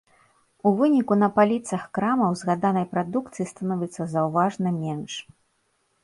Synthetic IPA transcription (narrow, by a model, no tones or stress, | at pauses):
uvɨnʲikunɐpalʲit̪sɐxkɾamɐwzɣad̪anɐjpɾad̪ukt̪sɨjist̪anɔvʲɛt̪sːɐzɐwvaʐnɐmʲɛnʂ